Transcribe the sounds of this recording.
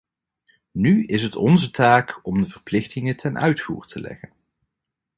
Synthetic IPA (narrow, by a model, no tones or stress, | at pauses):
nyɪsɦətɔnzətaːkɔmdəvəɹplɪχtɪŋətʰɛnʔœɥtfṵːɹtʰəlɛ̰χən